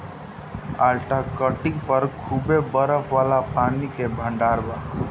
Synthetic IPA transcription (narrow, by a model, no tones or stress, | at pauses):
a̰ːlʈakəʈɪkpəɾkʰuːbebəɾəpʰʋaːlapaːnikebʱə̃ɳɖaːɾbaː